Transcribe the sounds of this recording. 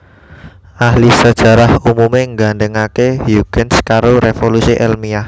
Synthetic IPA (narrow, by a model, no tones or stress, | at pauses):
ʔahlisəd̥ʒ̥a̤ɾahumumeŋɡaɳɖəŋakehjuɡ̥ənskaɾoɾefolusiʔɛlmiah